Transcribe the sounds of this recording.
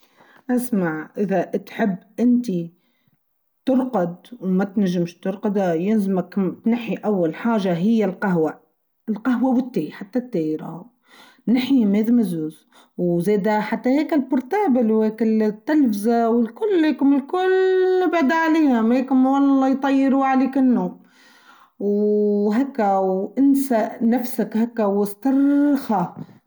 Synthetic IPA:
ʔasmaʕʔɪðaʔt̪ħɪbːʔɪnt̪i | t̪ʊɾqɑd̪wmat̪naʒːɪmʃt̪ʊɾˤqɑd̪ajɪnzamakt̪naħːiʔawːalħaːʒaɦɪjːalqaɦwa | ɪlqɑɦwawɪt̪ːeːjħat̪ːat̪ːeːjɪɾa̰h | naħimeːðmazuːz | wzeːd̪aħat̪ːaheːkɪlbʊɾˤt̪aːbɪlwheːkɪlt̪ːalfɪzawɪlkʊlːheːkʊmɪlkʊlnɪbd̪aʕaleːhameːkʊmwɑlːɑjt̪ˤɑjːɪɾuʕaliːkɪnːum | wɦakːawʔɪnsaʔnafsakhakːawɪst̪ɑrˤxa

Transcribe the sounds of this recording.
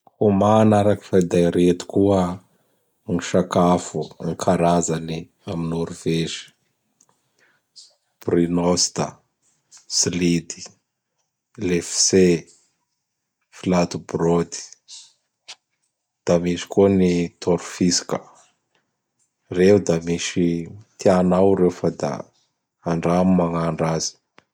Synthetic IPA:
humanaɾaki̥fad̪ajɾet̪u̥kuə | ŋiʃakafuŋikʰaɾazani | aminuɾuv̥eʃi̥ | prinost̪a̰ | slid̪i̥ | lefse | filat̪ubrod̪i̥ | d̪̥amiʃi̥kuənit̪ʰoɾufisi̥kə | rewud̪amiʃit̪ʰianawɾefəd̪a̰ː | ɳɖ͡ʐamimaŋaɳɖ͡ʐazi̥

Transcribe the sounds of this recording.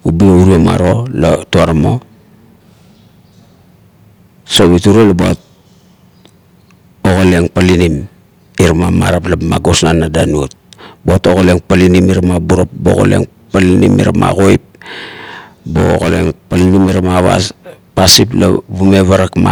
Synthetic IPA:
ubiouɾioma̰ɾo̞latuaɾamo̞ | soβituɾolabua̰t̚ | oɣole̞ŋpalinim | iɾamama̰ɾaplama̰ɡo̞snanːadanuot̚boato̞ɣole̞ŋpalinimiɾamabuɾopbo̰ɣo̰lḛŋ | palinḭmḭɾa̰mʔa̰ɣojp̚ | bo̰o̰ɣo̰le̞̰ŋpalinimiɾamaβa̰pasip̬la̰βume̞βaɾakma̰

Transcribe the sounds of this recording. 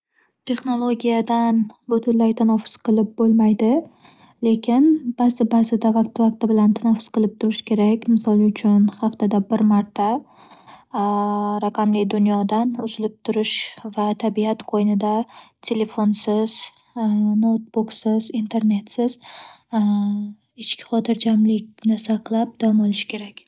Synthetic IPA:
t̪ʰe̞χno̞lˠoɡʲijad̪anbʊt̪ʰʊɾlajt̪ʰanafʊ̥sqʰɨlˠɪp̚bolˠmajd̪ɪ | le̞kʲʰɪnb̥azɪbazɪd̪avaqt̪ɪvaq̚t̪ɪbɪlant̪ʰanafʊ̥sqɨlˠɪp̚t̪ʰʊɾɪʃkʲʰe̞ɾakʲmɪsɒlˠʊt͡ʃʰʊnhaft̪ad̪abɪɾmaɾt̪ʰa | ɾaqʰɑmlɪkʲd̪ʊnjɒd̪anʊzɪlɪp̚t̪ʰʊɾɪʃvat̪ʰabiat̪qʰojnɪd̪at̪ʰe̞le̞fonsɪz̥ | nowt̪̚buksɪzint̪ʰe̞ɾne̞t̪sɪz̥ | ɪt͡ʃkʲʰɪ̥χɒt̪ʰɪɾd͡ʒʰamlɪkʲnɪsaqlˠap̚d̪̥amolˠɪʃkʲʰe̞ɾakʲ

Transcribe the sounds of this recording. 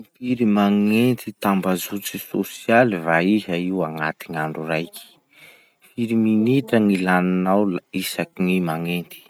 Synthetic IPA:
piɾimaŋent̪it̪ambazut͡sisosialivaiɦaiwaŋat̪iŋaɳɖ͡ʐurajki̥ | fiɾiminitəŋilaninawlisakinimaŋent̪i̥

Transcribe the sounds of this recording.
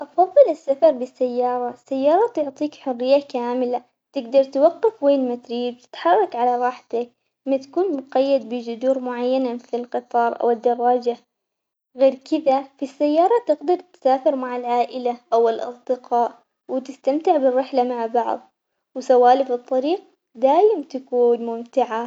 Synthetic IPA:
ʔɑfɑðˤːɨlɪsːafɑɾˤbɪsːajːɑːɾˤɑsːajːɑːɾˤɑt̪ʊʕt̪ˤiːkħʊrːɪjːakaːmɪla | t̪ɪɡd̪ɑɾˤt̪wɑqːɪfweːnmat̪ɾiːb̚t̪ɪ̥t̪ħɑrˤːɑkʕalaɾˤɑːħt̪ak | mat̪ḁkuːnmʊqajːad̪̚bɪd͡ʒʊd̪uːɾmʊʕajːanamɪθlɪlqɨt̪ˤɑːɾˤʔa̰wɪd̪ːɑrˤːɑːd͡ʒa | ɣeːɾkɪðafisːajːɑːɾˤɑt̪ɪɡd̪ɑɾˤt̪saːfɪɾmaʕalʕaːʔɪlaʔawɪlʔɑ̰sˤd̪ɪqɑːʔ | wɪt̪ɪst̪amt̪ɪʕbɪrːɪħlamaʕbɑʕðˤ | wsawːaːlifɨt̪ˤːɑɾiːq̚ | d̪aːʔɪmt̪akuːnmʊmt̪ɪʕa

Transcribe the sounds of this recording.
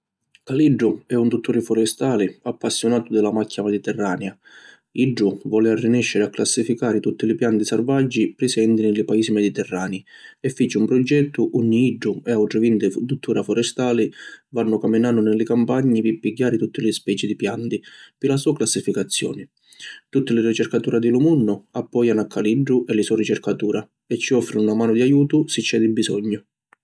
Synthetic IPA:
kaliɖːʊɛunt̪ut̪ːuːɾɪfɔɾɛst̪aːlɪapːasːjʊnaːt̪ʊd̪ɪlamacʰːamɛd̪it̪ɛrːaːnja | iɖːʊvɔːlɪarːinɛʃːɪɾɪakːlasːifikaːɾɪt̪ut̪ːɪlɪpjant̪isarvad͡ʒːipɾɪsɛnt̪ɪnɪlɪpaiːsimɛd̪it̪ɛrːaːniɛfːit͡ʃɪumpɾɔd͡ʒɛt̪ːʊʔuɲːiiɖːʊɛawʈ̪ɾɪvint̪ɪft̪ut̪ʰːuːɾafɔɾɛst̪aːlɪvanːʊkamːinaːnːʊnɪlɪkampaɲːipɪpːiɟːaːɾɪt̪ut̪ːɪlɪspɛːt͡ʃid̪ipjant̪ipɪlasuːaklasːifikat̪sːjɔ̰ːnɪ | t̪ut̪ːɪlɪrit͡ʃɛrkat̪uːɾad̪ilumunːʊapːɔjanakːaliɖːʊʔɛlɪsɔrit͡ʃɛrkat̪uːɾa | ɛt͡ʃːiɔfːɾinunamaːnʊd̪iajuːt̪ʊsit͡ʃːɛd̪ibːisɔɲːʊ

